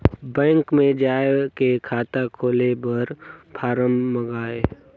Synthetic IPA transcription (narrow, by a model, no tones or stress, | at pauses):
bɛ̃ːŋkmẽd͡ʒaːekekʰaːt̪akʰoːlebɐɾpʰaːɾəmːəɡaːeː